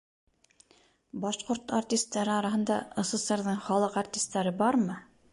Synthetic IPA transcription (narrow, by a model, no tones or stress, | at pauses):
bɑʃqoɾt̪artʲist̪ːæɾɘɒɾɑɦɤ̆nd̪ɑŏsɤ̆seɾðɤɴχɒlˠɤqartʲist̪ːæɾɘbɑɾmɤ